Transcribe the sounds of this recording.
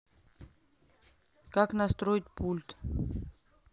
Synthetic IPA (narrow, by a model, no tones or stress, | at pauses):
kaknɐst̪ɾoɪtʲpʰulʲt̪